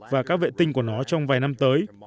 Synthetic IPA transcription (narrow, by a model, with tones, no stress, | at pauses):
vaː˨˩kaː˦˥k̚vḛ˧˨nt̪ï˧ŋku˧˩ənɔ˨˦t͡ɕɔ˧wŋ͡mvaː˨˩jna˧mt̪əː˨˦j